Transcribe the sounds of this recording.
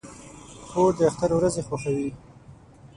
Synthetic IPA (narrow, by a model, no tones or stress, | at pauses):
xod̪əaxt̪aɾwɾazexwaxawi